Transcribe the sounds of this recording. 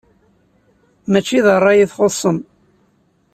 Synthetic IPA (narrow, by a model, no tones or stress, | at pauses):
mæt͡ʃːiðərˤːɑjiθχosˤːəm